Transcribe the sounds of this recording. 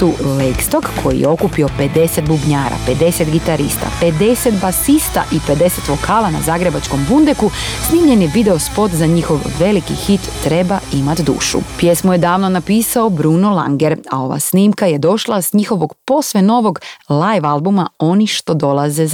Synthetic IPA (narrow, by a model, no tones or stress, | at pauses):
t̪uːlejkst̪o̞kkʰo̞jḭjḛo̞kupio̞pe̞d̪e̞set̪̚bubɲaːɾa̰pe̞d̪e̞set̪ɡit̪aɾḭst̪a̰pe̞d̪e̞set̪basist̪a̰ʔipe̞d̪e̞se̞t̪ʋo̞kʰaːlana̰zaːɡɾe̞bat͡ʃko̞mbund̪ekusniːmɲe̞njeʋid̪e̞o̞spo̞t̪zaɲixo̞ʋːe̞likḭxit̪ːɾe̞baimat̪d̪ṵːʃṵpje̞smoje̞d̪aːʋno̞napiːsaobɾuːnolˠa̰ŋɡe̞ɾao̞ʋa̰sniːmkaje̞d̪o̞ʃlˠasɲixo̞ʋo̞ɡpo̞sʋeno̞ʋo̞ɡlajʋalˠbumao̞niʃt̪o̞d̪o̞laze̞